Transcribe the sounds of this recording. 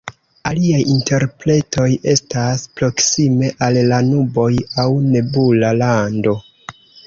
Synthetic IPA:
aliajinte̞ɾpɾe̞to̞je̞staspɾo̞ksime̞ʔalːanubo̞jawne̞bulalando̞

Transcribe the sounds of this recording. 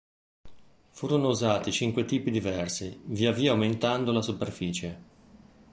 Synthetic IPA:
fuːɾonouzaːt̪it͡ʃiŋkwet̪iːpid̪ivɛrsiviaviːaument̪and̪olasuperfiːt͡ʃe

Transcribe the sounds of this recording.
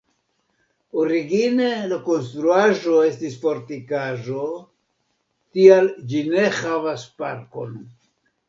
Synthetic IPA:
oɾiɡine̞lako̞nst̪ɾuaʒo̞e̞stisfo̞ɾtikaʒo̞ | tiald͡ʒine̞havaspa̰ɾko̞̰n

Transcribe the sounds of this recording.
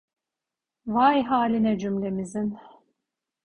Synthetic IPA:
vajɦaːlʲinɛd͡ʒymlʲe̞mizin

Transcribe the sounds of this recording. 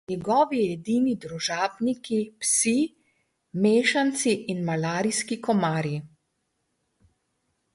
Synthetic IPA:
nɛɡɔːʋiɛd̪iːnid̪ɾuʒaːbnikipsi | meːʃant̪siʔːnmalaːɾiskikɔmaːɾi

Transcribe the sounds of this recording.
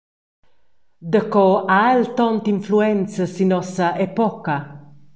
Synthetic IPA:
d̪əkɔaelt̪ɔnt̪iɱfluɛnt͡səsinɔsɐʔɛpɔkɐ

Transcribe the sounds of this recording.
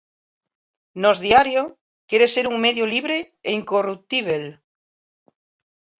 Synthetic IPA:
nozðiaɾjo | keɾeseɾuŋmeðjoliβ̞ɾe | eiŋkorut̪iβ̞el

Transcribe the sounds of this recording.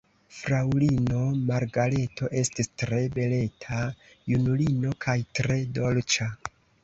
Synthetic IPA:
fɾawlino̞maɾɡale̞tʰo̞ʔe̞stistɾe̞be̞le̞tʰa | junulino̞kʰajtɾe̞do̞lt͡ʃa

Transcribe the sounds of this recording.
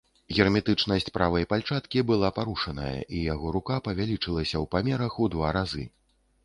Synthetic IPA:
ɣʲɛrmʲɛt̪ɨt͡ʂn̪ɐsʲt͡sʲpɾavɐjɐpalʲt͡ʂat̪kʲibɨlˠapaɾuʂɐnɐ̰jɐ̰ʔijaɣɔɾukapɐvʲalʲit͡ʂɨlˠɐsʲɐwpamʲɛɾɐxud̪vaɾazɨ̰

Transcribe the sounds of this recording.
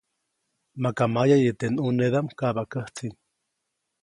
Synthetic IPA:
makamajajet̪enuneðamkaβakəht͡sin

